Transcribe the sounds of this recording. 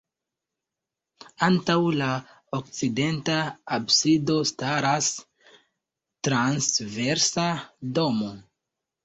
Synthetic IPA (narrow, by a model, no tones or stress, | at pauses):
antawla | ok̚t͡side̞ntaːbsido̞staɾas | tɾansve̞ɾsado̞mo̞